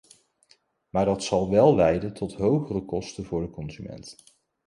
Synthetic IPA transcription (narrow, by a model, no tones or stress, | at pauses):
maːɹdɑtsɑlˠʋɛlˠlɛjdəntɔtɦowχərəkɔstənvʊːɹdəkɔnzymɛ̰nt